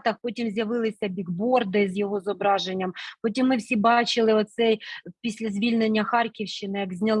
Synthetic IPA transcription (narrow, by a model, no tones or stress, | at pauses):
t̪ɐxpɔtʲimzʲjɐʋɪlˠɪsʲɐbʲiɡbɔrd̪ɪzjɔɦɔzɔbɾɑʒenʲːɐmpɔt̬ʲimːɪwsʲibɑt͡ʃɪlˠɪɔt̪sɛjpʲisʲlʲɐzʲʋʲilʲnenʲːɐxɑrkʲiwʃt͡ʃɪnɪjɐɡzʲnʲɐlˠ